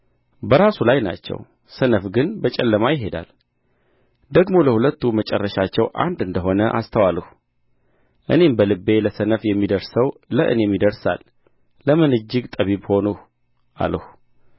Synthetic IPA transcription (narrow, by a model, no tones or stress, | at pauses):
bəɾasulajna̰t͡ʃːɛ̰w | sənəfɡɨnbət͡ʃʼɛlːəmajɪɦe̞d̪a̰l | d̪əɡmo̞ləhulət̪ːumət͡ʃʼɛ̰rːəʃat͡ʃːɛwʔa̰nd̪ɨnd̪əɦo̞nəʔa̰st̪ʰəwaləh | ʔɨ̰ne̞mbəlɨbːe̞ləsənəfjɛmːid̪əɾsəwləʔɨ̰nemːid̪əɾsa̰lː | əmɨnɨd͡ʒːɪɡt̪ʼəβibho̞nuh | ʔa̰ləhu